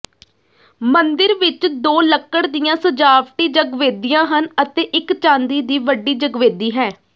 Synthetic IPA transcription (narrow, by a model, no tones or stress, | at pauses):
mənd̪ɪɾʋɪt͡ʃd̪oːləkːəɽd̪ijãːsəd͡ʒaːpʈiːd͡ʒəɡʋeːd̪ijãːɦənət̪eːʔɪkt͡ʃãːnd̪iːd̪iːʋəɖiːd͡ʒəɡʋeːd̪iːɦɛː